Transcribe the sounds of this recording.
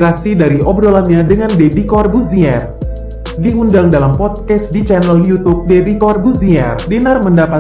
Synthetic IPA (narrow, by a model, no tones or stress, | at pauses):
ɾasidaɾiʔɔb̚dolamɲadəŋandebikɔrbuziɛr | diundaŋdalampɔt̪̚kɛsdit͡ʃanəljut̪up̚debikɔrbuziɛrdinarməndapa